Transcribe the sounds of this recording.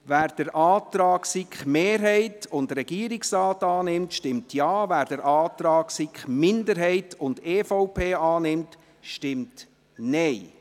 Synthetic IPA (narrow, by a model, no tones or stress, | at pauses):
ʋæːɾd̥əɾʔɑːt̪ɾɑːksikχmeːɾɦɛɪtʊndɾɛɡ̥iəɾɪksrɑːtɑːnɪmtʃtɪmtʰjɑːvæːɾd̥əɾʔɑːtɾɑːksikχmɪndəɾɦɛɪtʊndeːfɔʊpʰeːɑːnɪmt | ʃtɪmt | nɛɪ